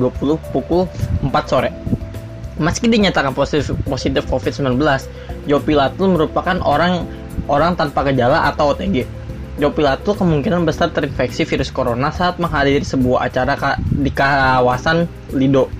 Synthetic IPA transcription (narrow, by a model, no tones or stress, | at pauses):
uapulʊhpukʊləmpat̪̚soɾɛ | məskidiɲat̪akanposit̪ɪfkofit̪səmblanbəlas | d͡ʒawapilat̪ʊməɾupakanoɾaŋ | oɾaŋt̪anpakəd͡ʒalaʔat̪awt̪ɛɡi | d͡ʒawapilat̪ʊkəmuŋkinanbəsart̪əɾinfɛksifiɾʊskoɾonasaːt̪̚maŋɦadiɾisəbuaɦa̰t͡ʃaɾakadikawasan | lido